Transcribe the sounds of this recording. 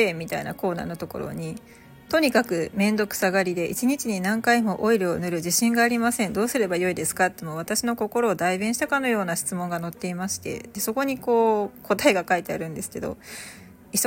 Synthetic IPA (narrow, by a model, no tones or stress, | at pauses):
eːmʲit̪aina̰ko̞ːna̰ːno̞t̪o̞ko̞̰ɾo̞̰ɲ̟i | t̪o̞ɲ̟ikakɯ̟mẽ̞nd̪o̞kɯ̟̥saɡaɾʲid̪e̞ʔḭt͡ɕiɲ̟it͡ɕiɲ̟inãŋkaimo̞ʔoiɾɯ̟onɯ̟ɾɯ̟ʑiɕĩŋɡaːɾʲimasẽ̞nd̪o̞ːsɨɾe̞bajo̞id̪e̞sɨ̥kat̪ːemoβ̞at̪aɕino̞ko̞ko̞ɾo̞ːd̪aibẽɕit̪akano̞jo̞ːnaɕi̥t͡sɨmõŋɡano̞t̪ːe̞imaɕi̥t̪ḛd̪̥e̞so̞ko̞ɲ̟iko̞ːkʰo̞t̪aeɡakait̪e̞a̰ɾɯ̟̃nd̪e̞sɨ̥ke̞d̪o̞̰ | i